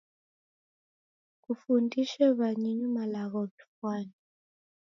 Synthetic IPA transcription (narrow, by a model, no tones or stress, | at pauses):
kufundiʃɛβaɲiɲimalaɣɔtu̥fwaːni